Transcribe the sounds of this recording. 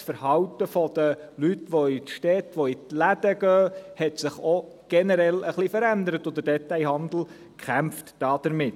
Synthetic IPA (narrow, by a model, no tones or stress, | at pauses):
sfəɾhɑwtəfɔd̥̪əlytʋoitʃtɛt̪ʋoitlæd̥̪əɡ̥œːhɛt̪sɪχo | ɡ̥ɛnəɾɛləχlifəɾænd̪əɾətod̪ədɛt̪ajɦɑnd̪l̩ | kχæmftd̥ɑːd̥əɾmɪtː